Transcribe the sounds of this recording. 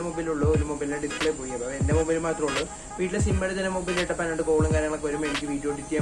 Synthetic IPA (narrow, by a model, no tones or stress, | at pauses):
emobɐjluɭːuoɾumobɐjlneɖiskuɭepoːijɐbaendemobɐjlmaːt̪rɐmuɭːu | ʋiːʈːilesimbɐɽet̪ɐnːemobɐjlajʈːɐpɐnːɐɳɖɨkoːɭɐŋkaːɾjɐŋɐɭekːɨʋɐɾumenikʲːɨʋiːʈːjo̞ːɖit̪ːija